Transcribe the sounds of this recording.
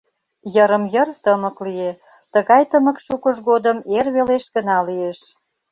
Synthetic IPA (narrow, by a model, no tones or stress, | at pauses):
jəɾəmjərt̪əmə̆klie | t̪əɣɑjt̪əmə̆kʃukəʃɣod̪əmerβeleʃɣənɑlieʃ